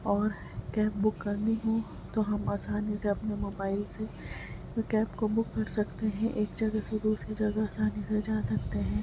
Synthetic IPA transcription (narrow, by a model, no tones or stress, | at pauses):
ɔːɾ | kɛːp̚bʊkːɐɾniɦõ | t̪oɦɐmaːsaːniseɐpnemoːbaːɪlse | kɛːpkobʊkːɐɾsɐkt̪eɦɛ̃ʔeːkd͡ʒɐɡased̪uːsɾid͡ʒɐɡaaːsaːnised͡ʒaːsɐk̚t̪eɦɛ̃ː